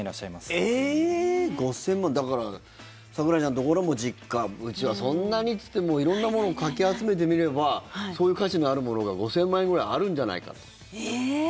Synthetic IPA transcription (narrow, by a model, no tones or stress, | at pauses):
ɾaɕːaimase | ɡo̞sẽ̞mːãnd̪akaɾa | sakɯɾaʑãnd̪o̞ko̞ɾomo̞d͡ʑikːaɯ̟t͡ɕiβasõ̞nːaɲ̟it͡sɨ̥t̪ːemoːiɾõ̞nːamo̞no̞ːkakʲiat͡sɨme̞t̪̬e̞mʲiɾe̞baso̞ːjɯ̟ːkaɕinoaɾɯ̟mo̞no̞ɡaɡo̞sẽ̞mːãẽŋɡo̞ɾaiaɾɯ̟̃ɲ̟d͡ʑana̰ika̰t̪o̥